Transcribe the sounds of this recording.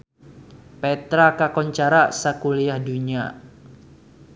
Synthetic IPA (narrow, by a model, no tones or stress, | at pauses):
pɛt̪ɾakakɔɲt͡ʃaɾasakulijahduɲa